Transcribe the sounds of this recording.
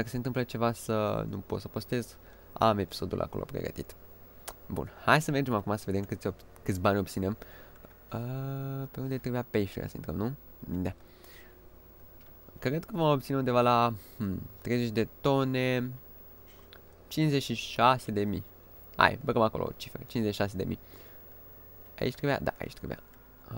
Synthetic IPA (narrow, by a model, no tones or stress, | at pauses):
d̪akəse̞nt̪ɨmplət͡ʃe̞vasənṵpo̞t̪səpo̞st̪e̞z | a̰me̞pi̥so̞d̪ṵlʔa̰ko̞lʔo̰pɾḛɡə̰t̪ḭt̪ | bṵnhajsəme̞rd͡ʒemakumasəve̞d̪emkɨt̪sʲokɨt̪sʲbanʲo̞b̚t̪sinem | əpe̞und̪et̪ɾebujapejʃeɾḛʔa̰sə̰int̪ɾə̰mnu | d̪a | kɾed̪kəvomop̚t̪sineund̪evala | t̪ɾe̞jzet͡ʃʲd̪e̞t̪o̞ne | t͡ʃinsze̞t͡ʃʃiʃase̞d̪e̞mḭ | a̰jbəɡəmako̞lʔo̰t͡ʃi̥feɾḛt͡ʃinzeʃiʃas̬e̞d̪e̞̰mḭ | a̰ḭt͡ʃt̪ɾebua̰d̪a̰a̰ḭt͡ʃt̪ɾebṵja̰